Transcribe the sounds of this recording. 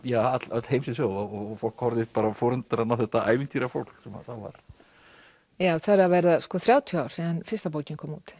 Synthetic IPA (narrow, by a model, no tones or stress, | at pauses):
jaːat̪lat̪lhejmsɪsjoːwðɔɔfol̥khɔɾðɪpaːɾafɔːɾʏnt̪aɾanawθɛht̪aʔa̰ːjvɪnt̪ʰiːɾafol̥ksɛma̰θawva̰ɾ̥ | jaːwθaɾavɛɾðaskɔθɾjaːwt̪ʰiaːwɾ̥siðanfɪɾ̥st̪apoːwcɪnkʰɔːmut̪